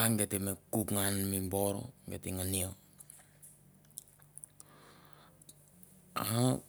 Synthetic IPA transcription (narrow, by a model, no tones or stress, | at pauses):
aŋɡetemekukŋanmimboɾo̰ŋɡetiŋanio | aha